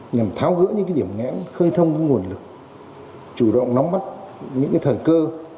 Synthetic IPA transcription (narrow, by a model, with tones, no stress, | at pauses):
ɲa˨˩mt̪ʰaː˨˦wɣɨ̰˧˥ɲɨ̰˧˥kaː˨˦jɗi˧˩ə˨mŋɛ̰˧˥nxəː˧jt̪ʰə˧wŋ͡mkə˨˧˦ŋu˨˩ənlɨ˨˩k̚ | t͡ɕu˧˩ɗə̰˧˨wŋ͡mnɔ˨˦wŋ͡mma˦˥t̚ɲɨ̰˧˥ŋkaː˨˦jt̪ʰəː˨˩jkəː˧